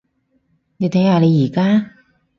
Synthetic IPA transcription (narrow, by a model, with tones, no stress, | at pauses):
ni˧t̪ʰe˨˦jaː˨˧le˨˧jiː˨˩kaː˥